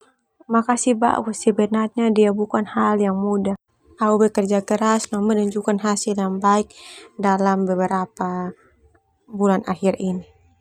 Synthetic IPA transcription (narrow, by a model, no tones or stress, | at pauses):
makasiba̰ʔṵsibɛnat̪̚ɲadiabukanhaljaŋmuda | aubɛkərd͡ʒakəɾasnamənuɲd͡ʒukanɦasiljaŋbaik̚dalambəbəɾapa | bulanʔa̰hirini